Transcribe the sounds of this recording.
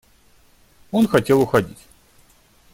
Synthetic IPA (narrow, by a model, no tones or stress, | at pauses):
o̞nxɐtʲe̞lˠʊxɐdʲitʲ